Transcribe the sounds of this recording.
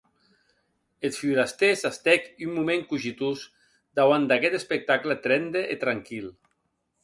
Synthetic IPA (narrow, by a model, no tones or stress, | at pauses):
et̪fiuɾast̪esast̪ɛkymːumeŋkuʒit̪us | d̪awand̪akɛt̪espek̚t̪aklət̪ɾɛnd̪eʔet̪ɾaŋkil